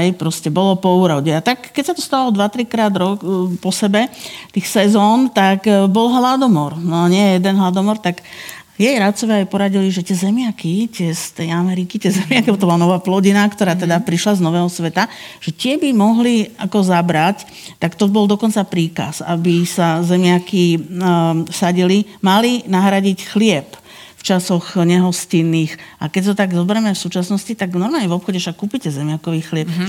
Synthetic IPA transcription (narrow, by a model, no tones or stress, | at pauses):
ɦɛjpɾɔscɛbɔlɔpɔuːɾɔʊɟɛat̪akːɛcsat̪ɔst̪aʋalɔd̪ʋat̪ɾikɾaːd̪ɾɔkpɔsɛbɛt̪ixsɛzɔːnt̪aɡbɔlɦlad̪ɔmɔɾnɔaɲɪɛɛjɛd̪ɛnɦlad̪ɔmɔɾt̪aɡ | jɛjɾat͡sɔʋɪaːajpɔɾaɟiliʒɛt̪ɪɛzɛmɪakit̪ɪɛst̪ɛjamɛɾikit̪ɪɛzɛmɪakiɔt̪ɔbɔlanɔʋaːplɔɟinakt̪ɔɾaːt̪ɛd̪apɾiʃlaznɔʋɛːɦɔsʋɛt̪aʒ̥ɛt̪ɪɛbimɔɦliakɔzabɾac | t̪akt̪ɔbɔld̪ɔkɔnt͡sapɾiːka̰sabisazɛmɪaki | saɟilimalinaɦɾaɟicxlɪɛp | ft͡ʃasɔɣɲɛɦɔscinːiːxakɛcɔt̪aɡzɔbɛɾɛmɛfsuːt͡ʃasnɔscit̪aɡnɔɾmaːlɲɛvɔpxɔɟɛʃakːuːpicɛzɛmɪakɔʋiːxlɪɛp